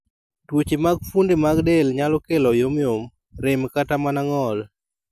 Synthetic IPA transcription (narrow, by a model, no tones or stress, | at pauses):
twot͡ʃemaɡ̚fundemaɡdelɲalɔkelɔjomjom | ɾɪmkatamanaŋɔl